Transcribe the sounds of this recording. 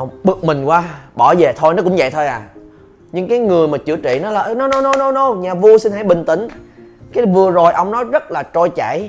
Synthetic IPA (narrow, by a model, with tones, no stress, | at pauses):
ɓɨ˨˦˩ək̚mï˨˩ŋ̟kwaː˧ɓɔ˧˩ze˨˩t̪ʰo˧jnɔ˨˦˥kʊ̰˧˥ŋ͡mvə̰˧˨jt̪ʰo˧jʔaː˨˩ | ɲɨ˧ŋkaː˨˦jŋɨ˨˩əjmaː˨˩t͡ɕɨ̰˧˩ət͡ɕḭ˧˨nɔ˨˦laː˨˩ʔnɔ˨˦nɔ˨˦nɔ˨˦jnɔ˨˦nɔ˧˦ɲaː˨˩vu˧əsi˧nɦa̰˧˥˦jɓï˨˩ŋ̟t̪ï˧˩˦ŋ̟kaː˨˦vɨ˨˩əzo˨˩jʔə˧wŋ͡mnɔ˨˦jzə˦˥t̚laː˨˩t͡ɕo˧jt͡ɕa̰˧˩˨j